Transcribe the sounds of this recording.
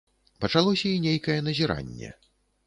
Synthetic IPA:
pɐt͡ʂalˠɔsʲɐinʲejkɐjɛnɐzʲiɾa̰nʲːɛ̰

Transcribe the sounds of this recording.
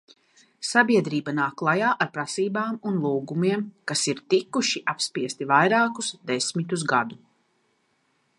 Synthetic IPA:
sabiɛd̪ɾiːbanaːklˠajaːʔaɾpɾasiːbaːmunlˠuːɡumiɛmkasiɾt̪ikuʃiʔapspiɛst̪ivajɾaːkusd̪esmit̪uz̬ɡad̪u

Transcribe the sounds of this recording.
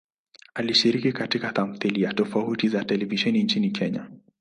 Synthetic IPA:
aliʃiɾikikatikaθam̩θilijatɔfautizatɛlɛviʃɛnint͡ʃinikʰɛɲa

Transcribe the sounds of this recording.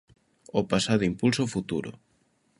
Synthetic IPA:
opasaðʊimpulsofut̪ṵɾʊ̰

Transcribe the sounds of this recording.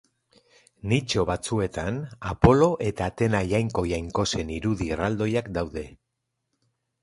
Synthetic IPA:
nit͡ʃo̞βat͡sue̞t̪anapo̞lo̞ʔe̞t̪aːt̪e̞naʝajŋko̞jajŋko̞se̞niɾuðirald̪o̞jakd̪awðe̞

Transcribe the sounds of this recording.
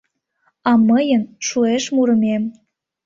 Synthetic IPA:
ɑməjənʃueʃmuɾə̆mʲem

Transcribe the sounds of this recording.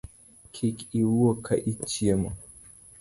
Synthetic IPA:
kʰikiuɔkʰaʔit͡ʃiɛma

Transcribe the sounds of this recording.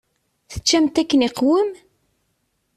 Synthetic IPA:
θə̥t͡ʃːæmt̪ækːəniqwəm

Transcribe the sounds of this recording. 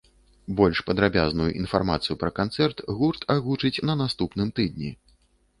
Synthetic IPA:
bɔlʲʂpɐd̪ɾabʲaznujuʔinfarma̰t̪sɨjupɾɐkant̪sɛrt̪ɣurt̪ʰaɣut͡ʂɨt͡sʲnɐnast̪upnɨmt̪ɨd̪̚ʲnʲi

